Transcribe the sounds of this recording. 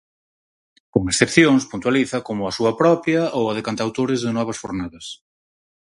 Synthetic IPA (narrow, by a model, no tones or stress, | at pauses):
koŋesθepθjoŋspunt̪waliθɐkomʊɐsuɐpɾɔpjɐowɐðekant̪awt̪oɾɪzðɪnɔβ̞ɐsfoɾnaðɐs